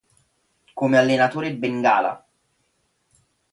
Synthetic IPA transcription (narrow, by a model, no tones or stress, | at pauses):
komealːenat̪oːɾebeŋɡaːla̰